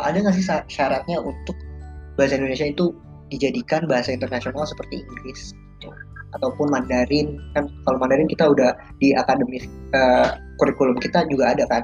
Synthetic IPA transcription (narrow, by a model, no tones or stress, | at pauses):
ʔa̰daŋas̬ɪsaʃaɾat̪̚ɲaʔunt̪ʊk̚baɦasaindonesiait̪u | did͡ʒadikanbaɦasaint̪ərnasionalsə̥pərt̪iiŋɡlɪsɡit̪uat̪awpʊnmandaɾɪnkankalamandaɾɪnkit̪audah | diʔakadəmiəkuɾikulʊmkit̪ad͡ʒuɡaːdaka